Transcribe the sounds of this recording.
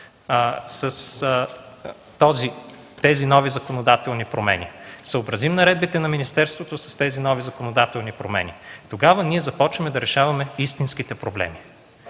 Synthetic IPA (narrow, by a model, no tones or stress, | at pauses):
səs | t̪ɔzi | t̪ɛzinɔvizɐkonod̪at̪ɛlˠnipɾomɛ̰nḭsəobɾɐzimnɐɾɛd̪̚bit̪ɛnɐminist̪ɛɾst̪vot̪osɐ̥st̪ɛzinɔvizɐkonod̪at̪ɛlˠnipɾomɛ̰nit̪oɡavɐniɛzɐpɔt͡ʃvɐmɛd̪ɐɾɛʃavɐmɛist̪insk̟it̪ɛpɾoblɛ̰mi